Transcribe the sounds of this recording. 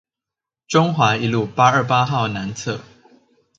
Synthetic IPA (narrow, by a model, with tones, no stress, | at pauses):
ʈ͡ʂʊ˦ŋxwa˨˥˦i˨˧˦lu˥˨pa˦ə˞˥˨pa˦xɑ˥˨ʊna˨˦nt͡sʰɤ˥˨